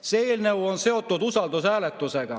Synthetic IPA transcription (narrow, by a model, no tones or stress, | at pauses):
seilnewonseot̪ːunt̪usɑlt̪osæːlet̪ːoseɡ̥ɑ